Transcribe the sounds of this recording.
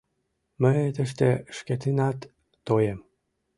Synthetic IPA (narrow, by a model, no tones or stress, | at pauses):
məet̪ə̆ʃt̪eʃkʲet̪inɑt̪ː | ojem